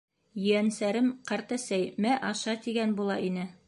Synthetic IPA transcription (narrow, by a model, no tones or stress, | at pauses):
jɵ̆ænsæɾɘmqɑɾt̪æsæjmæʔɑʃɑt̪iɡænbulˠɑ̰ʔinɘ